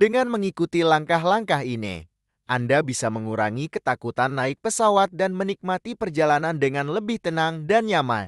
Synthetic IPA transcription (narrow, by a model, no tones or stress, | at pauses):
dəŋanməŋikut̪ilaŋkaɦlaŋkaɦinḭ | ʔandabisaməŋuɾa̰ŋikət̪akut̪anːaɪk̚pəsawat̪̚danmənik̚mat̪ipərd͡ʒalanandəŋanləbɪht̪ənaŋdanjama̰l